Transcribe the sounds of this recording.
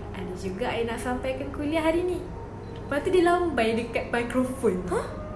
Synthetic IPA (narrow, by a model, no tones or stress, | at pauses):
a̰nd͡ʒuɡaʔajinaʔsampajkankuliaɦaɾini | pat̪udilaɔmbajdəkat̪̚makɾofɔn